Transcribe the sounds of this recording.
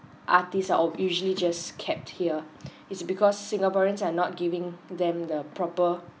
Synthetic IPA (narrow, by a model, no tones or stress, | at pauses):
ʔa̰tisaʔɔjuʒəlid͡ʒaskʰɛp̚thiə | itsbikʰɔsːĩŋɡapɔɹə̃nsanɔt̚ɡivĩŋdɛ̃mdəpʰɹɔpə